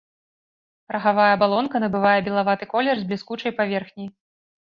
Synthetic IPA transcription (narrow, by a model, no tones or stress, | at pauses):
ɾɐɣavajɐbalˠɔnkɐnɐbɨvajɛbʲɛlˠavat̪ɨkɔlʲɛrzblʲiskut͡ʂɐjpavʲɛrxnʲij